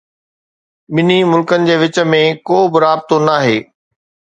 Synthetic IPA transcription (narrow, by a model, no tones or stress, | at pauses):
ɓɪnimʊlkənɪ̆d͡ʑeːʋɪt͡ɕə̆mẽkoːbɪɾaːb̚t̪onaːɦeː